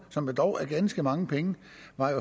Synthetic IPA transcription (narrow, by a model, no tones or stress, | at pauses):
sɒ̽mjod̥ɒʊʔæɐɡ̥ænsɡ̥əmɑ̈ŋəpʰeŋə | ʋɑ̈jo̝